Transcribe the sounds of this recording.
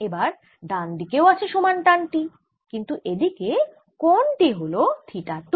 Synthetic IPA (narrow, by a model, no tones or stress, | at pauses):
ebaɾ | ɖand̪ikeoat͡ɕʰeʃomanʈanʈi | kint̪uʔed̪ike | konʈiɦolot̪ʰiʈat̪